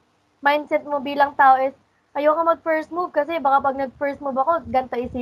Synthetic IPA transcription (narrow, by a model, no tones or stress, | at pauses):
majnd̪sɛt̪̚mobiːlɐŋt̪aːʔoʔɪs | ʔɐjokɐmɐɡ̚fɛɹsmuvkɐsɛbaːkapɐɡ̚nɐɡ̚fɛɹsmubɐkoɡɐnt̪ɐʔɪsɪ